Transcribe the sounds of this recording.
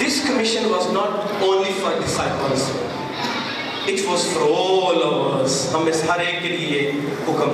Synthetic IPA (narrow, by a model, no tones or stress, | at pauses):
d̪ɪskəmɪʃə̃nʋɔːznɔːʈ | õːnlifɔɾɖɪsaɪpəlz | ɪt͡ʃʋɔzfɔɾoloəɾzhɐ̃mẽsaɾekːelie | ʊkə̃